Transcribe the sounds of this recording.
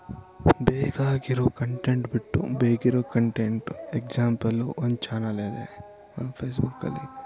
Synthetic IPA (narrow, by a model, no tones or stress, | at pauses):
beːɡaːɡiɾoːkɐɳʈeɳʈbiʈːṵbeːɡiɾoːkɐɳʈeɳʈekd͡ʒaːmpɐluʔond̪t͡ʃaːnɐleːd̪e | ɐnpʰeːsbukːɐ̰lːḭ